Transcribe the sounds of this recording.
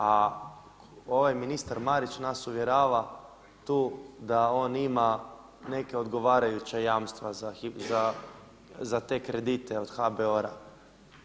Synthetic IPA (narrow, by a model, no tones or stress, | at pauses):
a | o̞ʋajminist̪aɾmaɾit͡ɕnasuʋje̞ɾaːʋa | t̪uːd̪ao̞ːnima | ne̞keo̞d̪ɡo̞ʋaːɾajut͡ɕajaːmst̪ʋazaiza | zat̪e̞kɾe̞d̪it̪e̞o̞d̪̥xabeoɾa̰